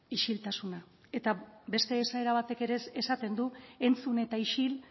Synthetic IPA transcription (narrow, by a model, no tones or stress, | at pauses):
iʃilt̪asuna | e̞t̪abe̞st̪e̞ːsae̞ɾaβ̞at̪e̞ke̞ɾe̞sesat̪e̞nd̪ue̞nt͡sune̞t̪aiʃil